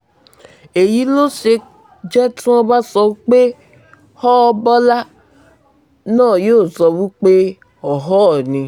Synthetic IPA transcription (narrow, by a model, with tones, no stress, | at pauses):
e˨ji˨˦lo˦ʃe˧ | d͡ʒɛ˦tũ˦ɔ˦ba˦sɔ˧˦k͡pe˦ | hɔ˦˧bɔ˦la˦ | nãː˦˨joː˦˨zɔ˧wu˦k͡pe˦ | ɔ˨ɦɔ˦˨nĩ˧